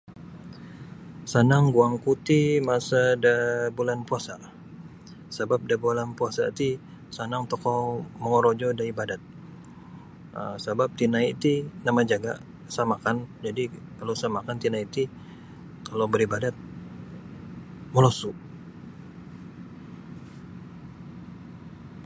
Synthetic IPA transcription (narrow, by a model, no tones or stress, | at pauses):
sanaŋɡuaŋkut̪imasadabulanpuasa̰ | sabap̚dabolanpuasa̰t̪i | sanaŋt̪ɔkɔməŋɔɾod͡ʒɔdaibadat̪̚ | ə̰sabap̚t̪inait̪inamad͡ʒaɡa̰ʔ | samakand͡ʒadikalosamakant̪inait̪i | kalobəɾibadat̪̚ | məlosu